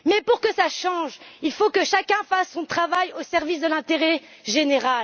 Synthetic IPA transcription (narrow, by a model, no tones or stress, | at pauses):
mɛpuʁkəsaʃɑ̃ʒilfokəʃakʲɛ̃fasːɔ̃t̪χavajosɛʁvis̬d̪əlɛ̃t̪eʁɛ | ʒeneʁal